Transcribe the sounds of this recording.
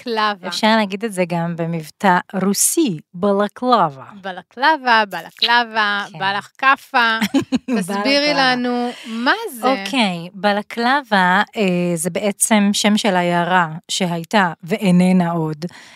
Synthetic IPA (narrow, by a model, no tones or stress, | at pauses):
klavefʃaʁleaɡid̪e̞tzeɡambe̞mivtaʁusibalaklavabalaklavabalaklavabalaχkafa | asbbiʁilanumazokʰejbalaklavaezebe̞ʔet͡se̞mʃe̞mʃelajaʁaʃe̞ɦajtave̞ʔenenaʔo̞d